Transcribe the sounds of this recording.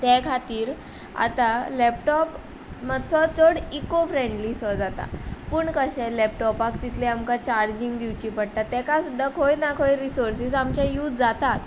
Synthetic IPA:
t̪ɛkʰat̪iːɾ | a̰t̪alɛp̚ʈɔp | mət͡sɔt͡sɔɽikofɾeɳɖlisɔd͡zat̪a̰pəːɳkəɕɛ̃lɛpʈɔpakt̪it̪ʰlɛamkat͡ɕaɾd͡ʑiŋɡd̪iʋt͡ɕiːpəɽt̪at̪ːɛ̃kasud̪ʱːakʰojnakʰojɾisoɾsisamt͡ɕjajuːt̪d͡zat̪at̪

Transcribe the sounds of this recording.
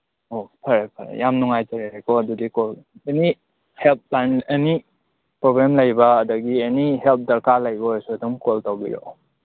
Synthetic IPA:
opʰɐɾapʰɐɾa̰jamnuŋajtɐɾeɾekoɐdudikoleni | help̚laneni | pɾobɾemlɐjbɐːdɐɡieniɦelp̚dɐɾkalɐjbɔjsuɐduŋkoltawbḭɾo̰

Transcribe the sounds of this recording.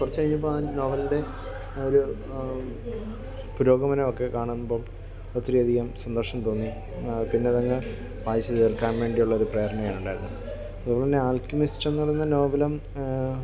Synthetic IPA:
kurɐt͡ɕːkɐɻiɲːup̬ːonoːʋɐlde̞ | oɾu | puɾo̞ːɡɐmɐnɐmokːe̞kaːɳunːubo̞ːɭ | ɐt̪ːrijɐd̪ʱiɣɐmsɐnd̪ɐrʂɐmt̪o̞ːnːi | pinːeɐðɐŋːɐ | ʋaːjɐɕɐðerkːaːnʋe̞ːɳɖijuɭːɐoɾupreːɐɾɐɳɐjaːɳuɳɖaːjiɾunːu | ɐðuboːɭːendeaːlkjumistenːɐɽɐnːɐno̞ːʋɐlɐm

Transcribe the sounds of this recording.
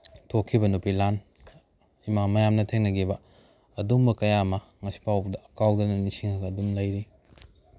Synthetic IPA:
tʰokʰːibɐnupilan | imamɐjamnɐtʰeŋnɐɡibɐ | ɐdumbɐkɐjamɐ | ŋɐsi̥pʰawbdɐɐkawdɐnɐnisiŋɐɡɐɐdumlɐjɾi

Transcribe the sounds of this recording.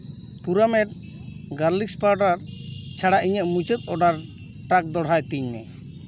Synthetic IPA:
puɾamɛʈ̚ | ɡaɾlikspaɾɖaɾt͡ʃʰaɽaʔiɲəʔmut͡ʃət̪̚ɔɖaɾ | ʈak̚d̪ɔɽ̤ajt̪iɲnɛ̰

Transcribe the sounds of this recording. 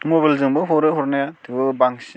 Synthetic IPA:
mobalzɯŋbɯɦɔɾɯɦɔɾnajatʰɯbɯbaŋsi

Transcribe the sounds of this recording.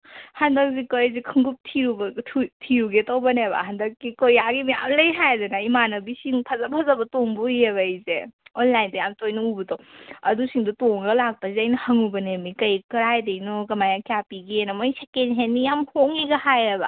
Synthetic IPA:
hɐndɐk̚zikojzikʰɯŋɡup̚tʰiɾubɐtʰiɾuɡetowbɐnebɐ̰ɦɐndɐk̚ːikojaɡimija̰mlɐjɦajdɐnaimanɐbisiŋpʰɐzapʰɐzɐbɐtoŋbuijeβajzeonlajndɐjamtojnɐubutowɐdusiŋdutoŋɡɐlak̚pɐziɐjnɐhɐŋubɐnemikɐjkɐɾajdejnokɐmajakjapiɡinɐmojsekenɦenːijamhoŋiɡɐhajɐbɐ̰

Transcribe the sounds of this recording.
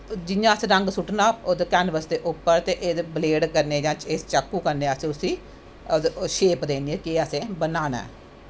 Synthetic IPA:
d͡ʒɪjãːəsẽːɾəŋɡsʊʈnaːod̪kɛːnʋəsd̪eːʔʊpːəɾt̪eːʔeːd̪bleːɖkəɾneːd͡ʒãːt͡ʃeːst͡ʃəkːuːkəɾneːəsẽʊsĩː | ʃeːpd̪eːnd̪iɛːkeːəsẽːbənaːna̰ː

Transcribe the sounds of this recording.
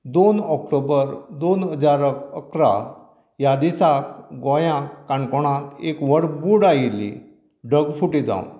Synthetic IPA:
d̪onɔkʈobəɾd̪onɦəd͡zaɾəkəkɾa̰ | jad̪isakɡɔjãkːaɳkɔɽ̃ãt̪ekʋəɽbuɽajilḭ | ɖʱəɡfuʈid͡zã̰ʋ

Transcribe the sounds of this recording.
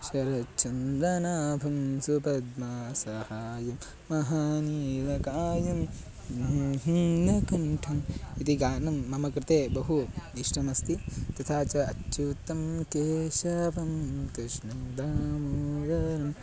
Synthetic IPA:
ʃɐɾɐt͡ʃɐnd̪ɾɐnaːbʱɐmsupɐd̪maːsɐhaːjɐmː | ɐɦaːniːʋɐkaːjɐm | ɦind̪ɐkɐɳʈʰɐmit̪iɡaːnɐmːɐmɐkɾɪt̪eːbɐɦuiʂʈɐmɐst̪it̪ɐt̪ʰaːt͡ʃɐɐtːʃut̪ːɐmkeːʃɐpɐmkɾɪʃnɐd̪aːmoːɽɐnɐm

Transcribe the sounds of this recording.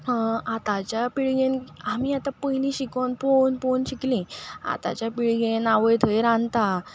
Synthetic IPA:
at̪at͡ɕjapiɭɡenamiːat̪apəilĩɕikənponponɕiklĩa̰t̪a̰t͡ɕjapiɭɡẽnaʋəjt̪ʰəjɾãnt̪a

